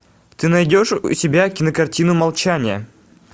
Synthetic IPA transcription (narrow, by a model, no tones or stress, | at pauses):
t̪ɨnɐjdʲo̞ʂṵsʲɪbʲakʲɪnəkɐrtʲinʊmɐlˠt͡ɕanʲɪjə̰